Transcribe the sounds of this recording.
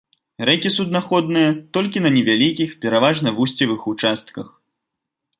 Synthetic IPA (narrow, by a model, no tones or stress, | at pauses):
ɾɛkʲisud̪naxɔd̪nɨjɐt̪ɔlʲkʲinɐnʲɛvʲalʲikʲixpʲɛɾavaʐnɐvusʲt͡sʲivɨxut͡ʂast̪̚kɐx